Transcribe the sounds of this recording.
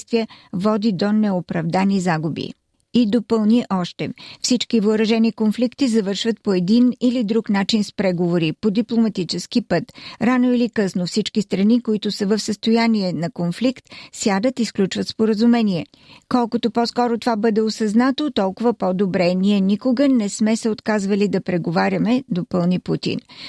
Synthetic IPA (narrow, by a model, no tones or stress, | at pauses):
st̪viəvɔd̪id̪onɛopɾɐvd̪anizaɡubḭ | id̪opəlˠniʔɔʃt̪ɛfsit͡ʃkivoːɾɐʒɛnikonflikt̪izɐvɤɾʃvət̪̚poɛd̪inilid̪ɾuknat͡ʃinspɾɛɡovoɾipod̪iplˠomɐt̪it͡ʃɛsk̟ipɤt̪ɾanoilikɤsnofsit͡ʃkist̪ɾɐnikoit̪ʊsəvəfsəst̪ojaniɛnɐkonflikt̪sjad̪ət̪isklʲut͡ʃvət̪spoɾəzumɛniɛ | kɔlˠkot̪opɔskɔɾot̪ovabɤd̪ɛosɐznat̪ot̪ɔlˠkʊvəpɔd̪obɾɛniɛnikoɡənɛsmɛsɛot̪kazvəlid̪ɐpɾɛɡovaɾʲɐmɛd̪opɤlˠniput̪ḭn